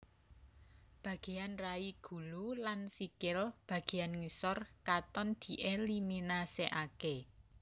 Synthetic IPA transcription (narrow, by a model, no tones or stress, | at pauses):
b̥ä̤ɡ̥e̤anraiɡ̥ṳlulansikɪlb̥ä̤ɡ̥e̤janŋisɔrkat̪ɔnd̪̥i̤ʔeliminaseʔake